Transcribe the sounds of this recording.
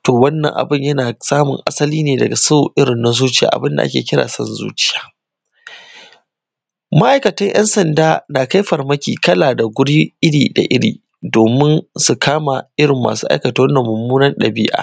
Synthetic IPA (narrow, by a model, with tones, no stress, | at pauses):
toː˨wɐ˦nːɐ̰˨ŋʔa̰˨bɪ˦˨ɲjɐ˦naː˨saː˦mʊ̰˨ŋʔa˦sɐ˦liː˦neː˨dɐ˨ɡa˨so˦ʔɪ˦ɾɪ˨nːa˦zuː˦t͡ʃɪ˦ja̰ː˨ʔa̰˨bɪ˦nda˨ʔa̰˦kʲeː˨kʲɪ˦ɽa̰ː˨sɐ̰˦nzṵː˦t͡ʃɪ̥˦jaː˦ | ma˦ʔa˨jkɐ˨tɐ˦ŋj̰ʔɛ̰˦nsɐ˨ndaː˦naː˨ka˦jɸɐ˨rmɐ˦kʲḭː˨kɐ˦laː˨da˨ɡʷʊ˦ɽi˦ʔɪ˦ɽiː˨da̰˨ʔɪ˦ɽḭː˨ | doː˨mɪ˦nsu˨kʰaː˦ma˨ʔɪ˦ɽɪ˨mːa̰ː˨suː˦ʔa̰˦jkɐ˨ta˦wɐ˦nːɐ˨mːʊ˨mːuː˦nɐ˦nɗɐ˨bɪ˦ʔa̰ː˨